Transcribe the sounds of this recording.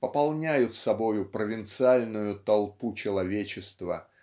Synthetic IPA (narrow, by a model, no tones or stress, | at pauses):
pəpɐlˠnʲæjʊt̪sɐbo̞jʊpɾəvʲɪnt̪sɨalʲnʊjʊt̪ɐlˠput͡ɕɪlˠɐvʲet͡ɕɪst̪və̰